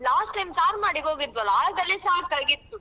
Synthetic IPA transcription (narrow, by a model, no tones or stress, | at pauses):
laːsʈːɐjmsaːɾmaːɽiɡoːɡid̪ʋɐlːɐaːlɡ̪ɐlːisaːɾkɐɭɡid̪ːu